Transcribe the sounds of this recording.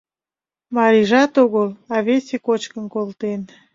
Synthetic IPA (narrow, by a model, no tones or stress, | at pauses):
mɑɾʲiʒɑt̪oɣəlˠɑβesʲekot͡ɕkənkolt̪en